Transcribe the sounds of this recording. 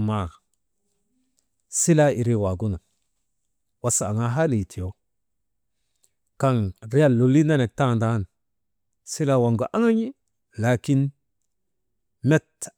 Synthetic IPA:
ma˦˨ | si˦la˦i˨ɾi˦wa˨ɡu˦na˨ | wa˦sa˨a˨ŋa˦ɦa˦li˨tʰi˨jo˨˦ | ka˦ŋɾi˦ja˦˨lːo˨li˦na˦ne˨k̚ta˦˨nda˨˦n | si˦la˦wa˨ŋɡo˨ʔa˦ŋa˦ɲi˦ | la˨ki˦n | me˦t

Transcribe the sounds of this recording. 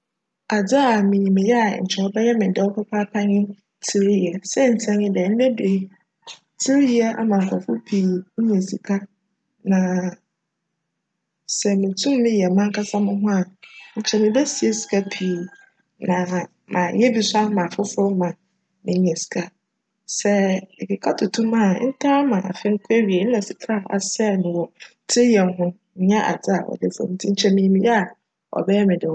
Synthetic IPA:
a˨d͡ʑa˦a˨mɪ̃˨ɲĩ˨mɪ̃˨jɛ˦a˨ɲ̩˨t͡ɕʰɛ˨ɔ˦bɛ˦jɛ˦mɪ̃˨dɛ˦wɔ˦kʰɛ˦pʰaː˦pʰa˦ɲɪ̃˦ | tʰi˦˨ɾi˦jɛ˨sɛ˦n̩˨tʰɛ̃˦ɲɪ̃˦dɛ˨n̩˦dɛ˦de˨˦ | tʰi˦ɾi˦jɛ˦ʔa̰˦mã˨ŋ˨kʰɔ˨fʊ˦pʰiː˨ɲ̩˦ɲɛ̃˨sḭ˨kʰa˦ | nã˨ | sɛ˨mɪ̃˨tʰũ˦mː˦ɪ̃˦jɛ˨mã˦ŋ˦kʰa˦sa˦mʊ̃˦ɦʊ̃˦a˨ɲ̩˨t͡ɕʰɛ˦˨mɪ̃˨bɛ˦si˨e˦si̥˨ka˦pʰi˨˦ | nã˨ | mã˨˦jɛ˦bi˨sa˦mã˨fʊ˦fʊ˦mã˨ | mɪ̃˨ɲ˦ɲɛ̃˨si̥˨kʰa˨ | sɛ˦ɪ˨kʰɪ˨kʰa˦tʰʊ˨tʰũ˦mã̰˦˨˦n̩˦tʰã˦mã˨a˨fɪ̃˦ŋ̩˦kʰu˦e˦ɥi˨e˨n̩˦ɛ̃˨si˨kʰɾa˦˨a̰˨sɛ˦˨nʊ̃˨wɔ˨˦ | tʰɪ˦jɛ˨ɦʊ̃˦ñ̩˦˨ɲɛ̃˦ʔa̰˨d͡zɪ˦a˨ʔɔ̰˨dɪ˦fo̰˨m˦tʰĩ˦ɲ̩˦t͡ɕʰɛ˦mɪ̃˨ɲĩ˨mĩ˦jɛ˦a˨ | ɔ̰˨bɛ˦ɛ˦mɪ̃˨dɪ˨

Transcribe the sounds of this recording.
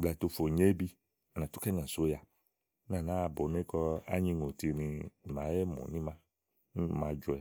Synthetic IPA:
bla˨to˧fo˨ɲe˦bi˧ | a˨nã˨tu˦kɛ˦nã˨so˨˦ja˧˦ | nã˦˨nã˨˦˧bo˨˦ne˦kɔ˧a̰˦ɲĩ˧ŋo˨ti˧nĩ˧˨ma˨˦jɛ˦mo̰˨nĩ˦mã˦˨ | mã˧d͡ʒɔ˨˧ɛ˨

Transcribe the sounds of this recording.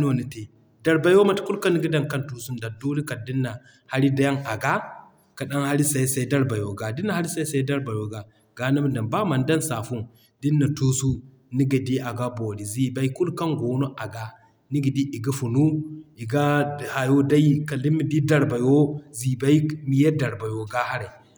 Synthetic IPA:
n˦o˦˨ni˨te˨ | da˨ɾba˨jo˦ma˨tku˦lka˦ni˦ɡi˦da˦ŋka˦ntu˨su˦nda˨doː˦li˦ka˨di˦nːa˨ | ha˦ɾi˦da˦ja˦ŋʔa˨ɡa˦ | ka˨ɗa˦ŋha˦ɾi˦sa˨i˦sa˨i˦da˦ɾba˨jo˨ɡa˨di˦nːa˦˨a˦ɾi˦sa˦i˦sa˨i˦da˦ɾba˨jo˦ɡa˨ | ɡa˨˦na˦m˦da˨mba˦ma˨ndɐ˦nsaː˨fu˦n | di˦nːa˨tu˦su˦ | ni˦ɡa˨di˦ʔa˨ɡa˦bo˨ɾi˨zi˨ba˦i˦ku˦lka˦ŋɡoː˨˦no˦ʔa˨ɡa˨ | ni˦ɡi˨di˦ʔi˨ɡa˦fu˨nu˦i˨ɡa˦˨ha˨jo˦da˦i˦ka˨li˦mi˨di˦da˦ɾba˨jo˦zi˨ba˦i˦mi˨je˦da˨ɾba˨jo˨ɡa˦ha˦ɾa˨

